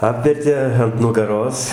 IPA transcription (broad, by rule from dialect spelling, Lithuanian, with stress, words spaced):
ˈɑːpʲʋʲɛrʲtʲeː ɐnt nʊɡɐˈroːs